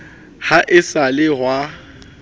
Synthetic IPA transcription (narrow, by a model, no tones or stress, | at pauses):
haʔɪsalɪɦwa